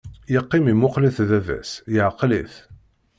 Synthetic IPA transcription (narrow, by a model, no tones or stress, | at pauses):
jəqːimimʊqliθðævæ̰sjəʕqːliθ